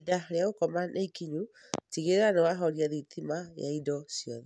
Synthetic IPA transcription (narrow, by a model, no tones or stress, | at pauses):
daɾeaokɔmanʔeikiɲu | tiɣeɾeanewaɦɔɾiaðitʰimaja̰idɔsjɔðɛ